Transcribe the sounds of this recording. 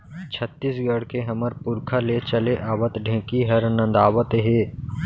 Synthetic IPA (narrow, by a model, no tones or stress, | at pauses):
t͡ʃʰət̪ːisɡəɽkeɦɐməɾpʊɾkʰalet͡ʃəleʔaːʋət̪ɖʱẽːkiɦɐɾənə̃nd̪aːʋət̪ɦeː